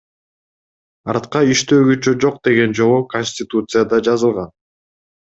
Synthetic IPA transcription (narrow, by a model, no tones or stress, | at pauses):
ɑɾt̪qɑiʃt̪ø̞ːɡyt͡ʃød͡ʒo̞q̚d̪e̞ɡe̞nd͡ʒo̞ʁuko̞nʲsʲtʲɪt̪ut̪sɨjad̪ɑd͡ʒɑzɯlˠʁɑn